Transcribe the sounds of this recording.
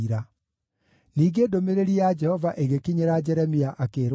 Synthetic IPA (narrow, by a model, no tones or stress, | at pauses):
ɾa | niːɡeːdomeɾeɾijad͡ʒɛhɔvaʔeɣekiɲeɾad͡ʒɛɾɛmiaʔakeːɾ